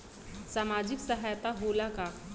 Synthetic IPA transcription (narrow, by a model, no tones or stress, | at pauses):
samad͡ʑiksəɦajt̪aɦolaka